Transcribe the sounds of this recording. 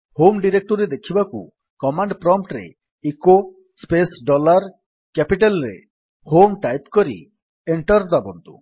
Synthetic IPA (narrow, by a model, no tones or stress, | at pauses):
homɖiɾek̚ʈɔɾid̪ekʰibakṵ | kɔmaɳɖpɾɔmpʈɾḛ | iko | spesɖɔlaɾ | kɛpiʈelɾḛ | homʈajpkɔɾḭ | eɳʈɔɾd̪abɔnd̪ʱṵ